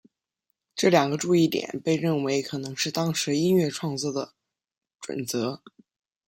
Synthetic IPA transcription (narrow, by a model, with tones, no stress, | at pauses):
ʈ͡ʂɤ˥˩ljɑ˨˩ŋɡə˦ʈ͡ʂu˥˧i˥˩t̪jɛ̰˨˩˦npe˥˧ɪɻə˥˩nwe˧˥ɪkʰɤ˨˩nɤ˧˥ŋʂɻ̩˥˧t̪ɑ˥ŋʂɻ̩˧˥i˥nɥɛ˥˧ʈ͡ʂʰwɑ˥˧ŋt͡swɔ˥˩d̪ə˩ | ʈ͡ʂwə̰˨˩nt͡sɤ˧˥